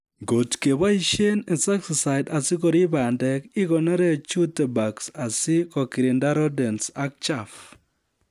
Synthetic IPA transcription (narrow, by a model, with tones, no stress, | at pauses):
ŋɡo˨tke˨βa˦i˦ʃe˦ne˨sa˦ksi˨sa˨i˨da˨si˦koɾi˦βa˨ndɛ˦ki˦ɣo˨nɔ˦ɾe˦t͡ʃu˦te˨baksa˨si˦ko˨ki˨ɾe˨nda˦ɾɔ˦de˨nsa˦k̚t͡ʃa˨f